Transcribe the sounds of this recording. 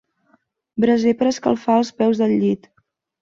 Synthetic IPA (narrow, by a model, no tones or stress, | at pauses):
bɾəzepəɾəskəlˠfaəlˠspɛwzðəʎːit̪